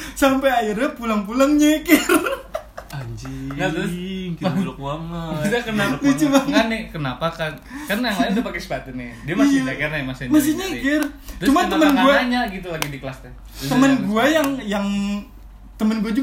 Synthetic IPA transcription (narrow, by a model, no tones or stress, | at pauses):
sampajairapulaŋp̬ulaŋɲakɪr | aɲd͡ʒinat̪ɾʊsŋalkuamait̪akənalt͡ʃumaŋanɪkənapakan | karnajaat̪upakɛsə̥pat̪ɪnɪdiamisjaakarnajamasnmas̬ɪɲakɪrt̪ɾt͡ʃumaməmənɡuaaɲaɡit̪ulaɡidikəlast̪ɛ | t̪əmənɡuajaŋjaŋ | t̪əmənɡuad͡ʒu